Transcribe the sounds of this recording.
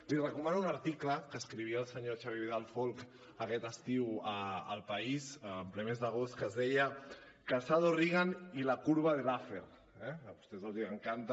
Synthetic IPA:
lirəkumanuunəɾt̪ikləkəskɾiβ̞iəlˠsəɲot͡ʃaβiβiðalˠfolˠk | əkɛt̪əst̪iwəəlˠpəisːmplɛmezd̪əɣ̞ostkəzðɛjə | kasaðoriɣanilakuɾβ̞aðelafḛɾ | ɛəβust̪ɛzawziəŋkant̪

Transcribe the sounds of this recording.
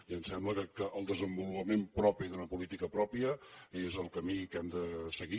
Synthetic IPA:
iənsɛmbləkəkəʔəlˠd̪əzəmbulupəmempɾɔpiðunəpulit̪ikəpɾɔpiəezəlˠkəmikɛmd̪əsəɣi

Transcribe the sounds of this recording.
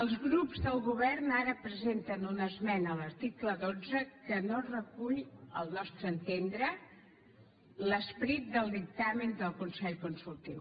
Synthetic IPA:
əlˠzɣɾupzðəlˠɣuβɛrnaɾəpɾəzent̪ənunəzmɛnələɾt̪ikləðod͡zəkənorəkuʎə̰lˠnɔst̪ɾəːnt̪end̪ɾə | ləspɾit̪̚d̪əlˠd̪ik̚t̪amənd̪əlˠkunsɛʎkunsulˠt̪iw

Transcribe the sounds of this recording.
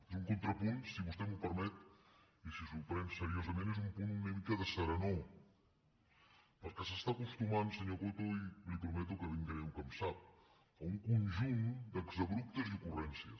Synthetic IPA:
ezuŋkunt̪ɾəpunsiβust̪ɛmupəɾmɛt̪ | isisuɾpɾɛnsəɾiozəmẽnezumpununəmikəðəsəɾəno | pəlˠkəsəst̪akust̪umansəɲokut̪uilipɾumɛt̪̬ukəβiŋɡəɛwkəmsap̚ | əuŋkunʒund̪əɡzəβɾup̚t̪əziukurɛnsiə̰

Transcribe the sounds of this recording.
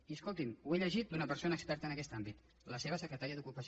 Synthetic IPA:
iəskolˠt̪imueʎəʒit̪̚d̪unəpəɾsonəːkspɛɾt̪əːnəkɛst̪ambit̪ | ləseβ̞əsəkɾət̪aɾiəðukupəs

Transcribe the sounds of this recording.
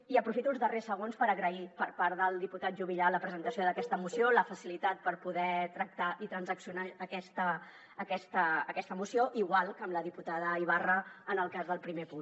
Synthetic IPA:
iəpɾufit̪unˠzðəresːəɣonspəɾəɣɾəipəɾpaɾðəlˠd̪iput̪at̪ʒuβiʎaləpɾəzənt̪əsioðəkɛst̪əmusioləfəsilit̪at̪̚pəɾpuðɛt̪ɾək̚t̪aʔit̪ɾənzəksiunaəkɛst̪əː | kɛst̪əːkɛst̪əmusioʔiɣwalˠkəmləðiput̪aðəiβ̞arəənəlˠkazðəlˠpɾimepun

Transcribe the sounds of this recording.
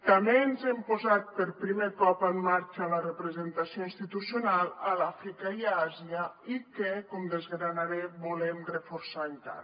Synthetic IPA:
t̪amenzɛmpozat̪̚pəɾpɾimekɔpəmːaɾt͡ʃələrəpɾəzent̪asioinst̪it̪usjunalˠəlafɾikaiaziəikekɔmd̪ezɣɾanaɾebulɛmrəfoɾsant̪a̰

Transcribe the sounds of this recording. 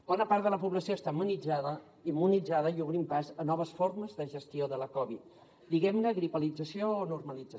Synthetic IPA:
b̥ɔnəpaɾðələpuβləsioəst̪amunid͡zaðə | imːunid͡zaðəiuβɾimpazənɔβəsforməzðəʒəst̪ioðələkɔβ̞it̪̚ | d̪iɣɛmnəɣɾipəlid͡zəsioːnurməlid͡zə

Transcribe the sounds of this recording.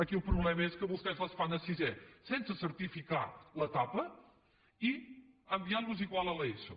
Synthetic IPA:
əkilˠpɾuβlɛməeskəβust̪ɛzləsfanəsizɛsensəsəɾt̪ifikalət̪apə | i | əmbiaɾβuziɣwalˠəlɛjsṵ

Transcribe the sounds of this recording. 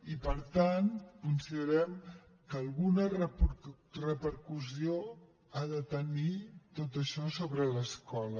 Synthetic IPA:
ipəɾt̪ankunsiðəɾɛm | kəlˠɣunərə | rəpəɾkuzio | aðət̪ənit̪ot̪̬əʃɔsoβɾələskɔlə

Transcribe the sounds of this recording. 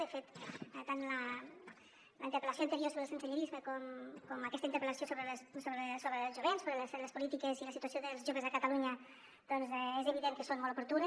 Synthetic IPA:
əfet̪t̪anlə | lə̰int̪əɾpəlasjoant̪əɾiosoβɾəlˠsənsəɲəɾizməkɔmkɔmɐkɛst̪əint̪əɾpɾəlɐsiosoβɾəlssoβɾəsoβɾəlˠzʒuβensoβɾələsləspulit̪ikəziləsit̪uasijoðəlˠzʒoβəzðəkat̪aluɲə | d̪̥ɔnzezəβiðeŋkəsonmɔlpuɾt̪un

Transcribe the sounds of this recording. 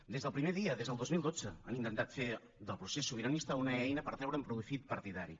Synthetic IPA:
d̪ezðəlˠpɾimeðiəðezðəlˠd̪ozmilˠd̪od͡zəənint̪ənt̪at̪fe | ðəlˠpɾusesːuβiɾənist̪əunəɛjnəpəɾt̪ɾɛwɾəumpɾufit̪̚pəɾt̪iðaɾi

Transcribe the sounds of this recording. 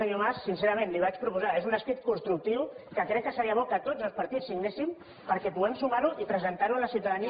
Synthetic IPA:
əɲomassinseɾəmẽnliβ̞at͡ʃpɾupuzaezunəspit̪̚kunst̪ɾuk̚t̪iwkəkɾɛk̚kːəsəɾiəβ̞ɔkət̪od͡zəlˠspəɾt̪it͡sːiɡnesim | pəɾkɛpuɛmsumaɾuʔipɾəzənt̪aɾuələsiwt̪əðəni

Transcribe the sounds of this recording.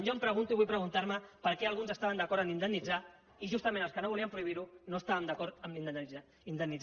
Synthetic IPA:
ʒompɾəɣunt̪uiβujpɾəɣunt̪aɾməpəɾkɛəlˠɣunzəst̪aβənd̪əkɔɾt̪əmind̪ənid͡za | iʒust̪əmẽnəlˠskənoβuliəmpɾuiβ̞iɾunoəst̪aβənd̪əkɔɾt̪əmin | ind̪əni

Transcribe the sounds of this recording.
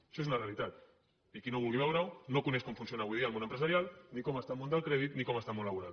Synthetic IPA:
ʃoezunarealit̪at̪ | ikinoβulɣiβawɾawnokuneʃkoɱfunsjonaβwuiðiaŋɣunə̃mpɾəzaɾjalnikoməst̪amõnd̪əlˠkɾeðit̪nikoməst̪amolːaβuɾað

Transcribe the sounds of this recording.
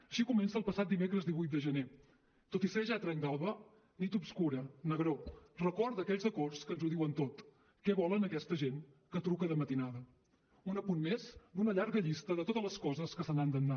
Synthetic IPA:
əʃikumɛnsəːlˠpəsat̪d̪imekɾəzd̪iβujt̪̚d̪əʒəne | t̪ot̪iseʒat̪ɾɛŋɡalˠβə | nit̪upskuɾənəɣɾorəkɔɾt̪əkɛʎzðəkɔrskənzuðiwənt̪ot̪ | kɛβɔlənəkɛst̪əʒeŋ | kət̪ɾukəðəmət̪inaðə | unəpunmezd̪unəʎaɾɣəʎist̪əðət̪ot̪ələskɔzəskəsənand̪ənːa

